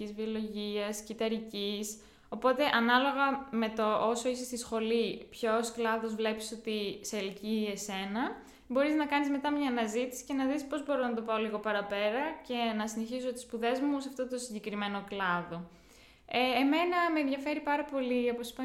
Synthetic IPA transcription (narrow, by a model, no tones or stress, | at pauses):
izvio̞lo̞ʝiɐscit̪ɐɾicis | o̞po̞t̪e̞ʔɐnɐlo̞ɣɐme̞t̪o̞ʔoso̞isest̪isxo̞lipço̞sklɐðo̞zvle̞pi̥so̞t̪iselciese̞nɐ | bo̞ɾiznɐkɐnizme̞t̪ɐmɲɐːnɐzit̪i̥si̥ce̞nɐðispo̞zbo̞ɾonɐt̪o̞pɐoliɣo̞pɐɾɐpe̞ɾɐce̞nɐsine̞çis̬ot̪i̥spuðe̞zmus̬eɐft̪o̞t̪osiɲɟe̞kɾime̞no̞klɐðo̞ | eːme̞nɐmeːnðʝɐfe̞ɾipɐɾɐpo̞lio̞po̞si̥pɐ